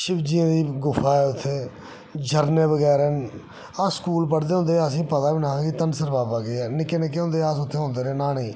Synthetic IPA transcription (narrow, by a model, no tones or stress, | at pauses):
ʃɪbd͡ʒiːãːd̪iːɡʊfaːɛːʊt̪ʰːeː | d͡ʒʱəɾneːbəɡɛːɾɛː | askuːlpəɽd̪eːɦʊ̃nd̪eːəs̬ĩːpət̪aːbiːnãːãːkit̪ənsəɾbaːbaːɡɛːnɪkːeːnɪk̬ːeːɦõnd̪eːəsʊt̪ʰːeːɦʊ̃nd̪eːɾeːnaːnĩː